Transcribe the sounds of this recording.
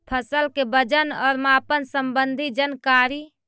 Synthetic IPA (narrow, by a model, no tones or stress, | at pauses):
pʰəsəlkebəd͡ʒənɔːɾmapənsəmbənd̪ʱid͡ʒənkaɾi